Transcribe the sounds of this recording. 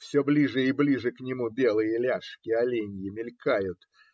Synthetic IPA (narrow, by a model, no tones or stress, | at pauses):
fsʲoblʲiʐɨɪblʲiʐɨknʲɪmubʲelˠɨjəlʲaʂkʲɪɐlʲenʲjɪmʲɪlʲkajʊt̪